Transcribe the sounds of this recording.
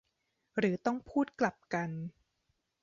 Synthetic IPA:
ɾɯː˩˦t̪ɔ˥˩ŋpʰuː˥˩t̪̚kla˨˩p̚ka˧n

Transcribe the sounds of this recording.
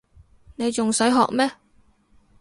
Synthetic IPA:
ne˨˧jt͡sʊ˨ŋsɵ˨˥ɦɔ̰ː˨k̚mɛː˥

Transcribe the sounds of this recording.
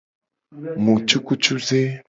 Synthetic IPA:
mu˨t͡ʃu˦ku˦t͡ʃu˦ze˦

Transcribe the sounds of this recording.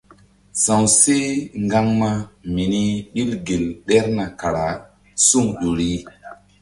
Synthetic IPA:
sã˨wse˦ŋɡa˦ŋma˦mi˨ni˦ɓi˦lɡe˨lɗɛ˦ɾna˨ka˨ɾa˨ | su˦ŋɗo˨ɾi˦

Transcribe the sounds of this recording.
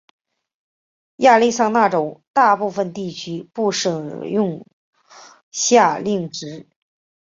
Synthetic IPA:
ja˥˧li˥˧sɑ˥˧ŋna˥˩ʈ͡ʂo˨˩ʊt̪a˥˧pu˥˩fə˧nt̪i˥˩t͡ɕʰy˧˥pu˥˩ʂɤ˨˩ŋjʊ˥˧ŋ | ɕja˥˧li˥˩ŋʈ͡ʂɻ̩˧˥

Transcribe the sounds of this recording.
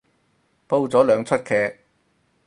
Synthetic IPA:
po˥wt͡sɔː˨˥lœː˨˧ŋt͡sʰɵ˥t̚kʰɛː˧k̚

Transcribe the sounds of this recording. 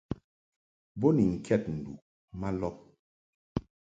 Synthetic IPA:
bɔ˦ni˨ŋ̩˨kʰɛ˦˨t̚n̩˨dṵ˨ʔ | ma˦lɔ˦p̚

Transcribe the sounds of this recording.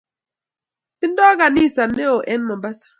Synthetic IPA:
tɪ˦ndɔ˦ka˨ni˦˨sa˨nɛ˦o˨ʔɛ˦nmɔ˨mba˦sḁ˨

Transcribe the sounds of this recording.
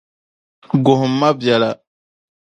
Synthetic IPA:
ɡo˨ɦu˨mːa˦bja˨la˨

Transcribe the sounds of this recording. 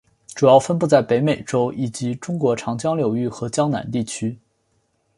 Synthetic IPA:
ʈ͡ʂu˨˩jɑ˥˩ʊfə˥npu˥˧t͡sa˥˩ɪpe˧˥ɪme˨˩ɪʈ͡ʂo˥ʊʔi˨˩t͡ɕi˧˥ʈ͡ʂʊ˥ŋkwɔ˧˥ʈ͡ʂʰɑ˧˥ŋt͡ɕjɑ˥ŋljo˨˩ʊy˥˩xɤ˧˥t͡ɕjɑ˥ŋna̰˧˥nt̪i˥˩t͡ɕʰy˥

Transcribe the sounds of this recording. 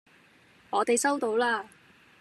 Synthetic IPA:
ŋɔː˨˧t̪e˨jsɐ˥wt̪o˨˧˥wlaː˥

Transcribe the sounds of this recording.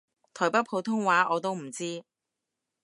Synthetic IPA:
t̪ʰɔː˨˩jpɐ˥pʰo˨˧˥wt̪ʰʊ˥ŋwaː˨˥ʔɔː˨˧t̪o˥wm̩˨˩t͡siː˥

